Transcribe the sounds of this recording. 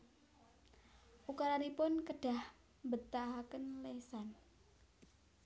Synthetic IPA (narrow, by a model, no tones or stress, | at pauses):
ʔukaɾaɾipʊnkəɖ̥a̤h | mbət̪aɦakənlesan